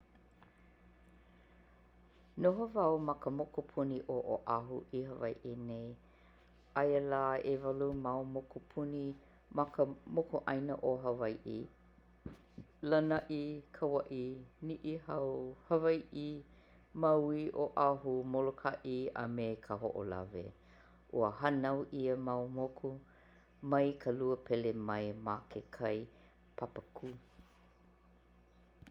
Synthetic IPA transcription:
noɦovɐwmɐkəmokopʰuniʔoʔoʔaɦṵʔiɦəvɐjʔinej | ʔɐjəlaːevɐlumawmokupʰuni | mɐkəmokoʔɐjnəʔoɦɐvɐjʔḭ | lənɐʔikʰəwɐʔiniʔihawhɐvajʔi | mawiʔoʔaɦumolokʰaʔia̰mekʰəɦo̰ʔo̰la̰vḛ | ʔuəɦanawʔiəmawmokʰu | mɐjkʰəluəpʰɛlemɐjmakʰekʰɐj | pʰapəkʰu

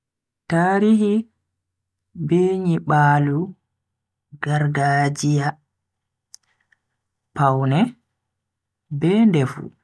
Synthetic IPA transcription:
taːɾiɦi | beːɲiɓaːlu | ɡaɾɡad͡ʒija | pawnɛ | bɛːndɛfṵ

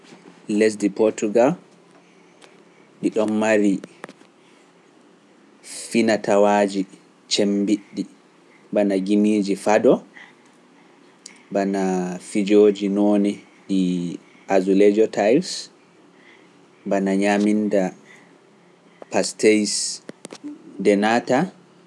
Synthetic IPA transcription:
les̬dipɔɾtuɡal | ɗiɗɔmːaɾi | finatawaːd͡ʒi | t͡ʃembiɗːi | banaɡimiːd͡ʒifadɔ | banafid͡ʒoːd͡ʒinoːni | ɗi | ʔazuled͡ʒɔtʰajls | banaɲaminda | pastejs | dɛnata

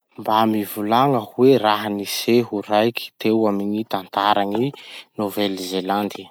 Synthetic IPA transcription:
mbamivulaŋəhuweraɦaniseɦuɾajkʰi̥t̪ewamiɲit̪ant̪aɾaŋinovelzeland̪i

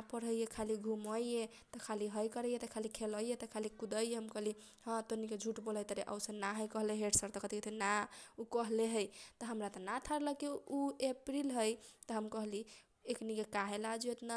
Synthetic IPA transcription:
pəɾəjjekʰaliɡʱuməje | t̪ɔkʰaliɦəjkəɾəjet̪ɔkʰalikʰeləjet̪ɔkʰalikud̪əjeɦəmkəɦli | hãt̪oniked͡ʒʱuʈboləjt̪əɾeʔə̰wsənaɦəjkəɦleɦeɖsəɾt̪ɔkət̪iket̪ʰinaukəɦleɦəjt̪ɔɦəmɾat̪ɔnat̪ʰaɾləkiuepɾilɦəjt̪əɦəmkəɦli | eknikekaɦelad͡ʒuet̪na

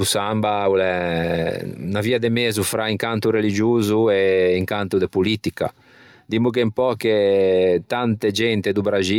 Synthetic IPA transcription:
usambaulɛ | naviːad̪emeːzufɾaiŋkant̪uɾelid͡ʒuːzueiŋkant̪ud̪epulit̪ika̰ | d̪imuk̬empɔket̪ant̪ed͡ʒɛnt̪ed̪ubɾad͡ʒi

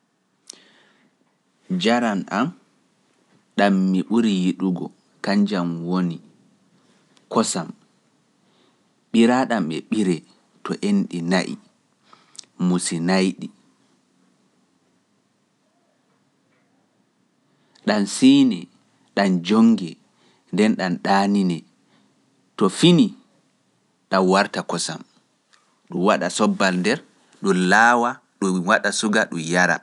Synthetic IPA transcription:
d͡ʒaɾana̰m | ɗamːiɓuɾijiɗuɡɔ̰ | kaɲd͡ʒamwoni | kɔsam | ɓiɾaɗamɛ̰ɓiɾɛ | tɔʔenɗinaʔḭ | musinajɗi | ɗansiːnɛ | ɗand͡ʒoŋɡɛ | ndɛnɗanɗaːninɛ | tɔfini | ɗanwaɾtakɔsa̰m | ɗuwaɗasɔbːalndɛɾ | ɗɔlaːwa | ɗuwaɗasuɡaɗumjaɾa̰

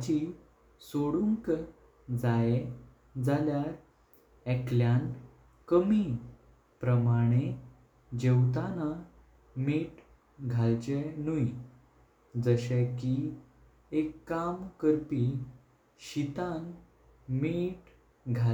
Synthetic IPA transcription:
d͡ʑi | soɽuŋk | d͡zae | d͡zaljaɾ | ɛkljan | kəmi | pɾəmaɽ̃e | d͡ʑewt̪ana | miʈ | ɡʱalt͡ɕenui | d͡zəɕeki | ekːamkəɾpi | ɕit̪an | miʈ | ɡʱal

